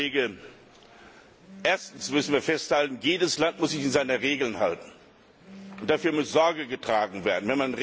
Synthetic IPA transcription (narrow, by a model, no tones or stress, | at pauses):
eːɡə | ʔeːɐstn̩smʏsn̩viːɐfɛsthaltn̩jeːdəslantmʊszɪçɪnzaɪnəʁeːɡl̩nha̰ltn̩ | ʔʊnt̚d̥afyːɐmʊsz̥ɔɐɡəɡətʁ̥aːɡŋ̩veːɐdn̩vɛnmanʁ